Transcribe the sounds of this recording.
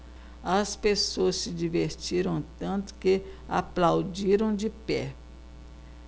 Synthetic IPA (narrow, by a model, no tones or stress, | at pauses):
ɐspesoɐsːɪd͡ʒiveɾt͡ʃiɾɐ̃w̃t̪ɐ̃nt̪ʊ̥kea̰plawd͡ʒiɾɐ̃w̃d͡ʒɪpɛ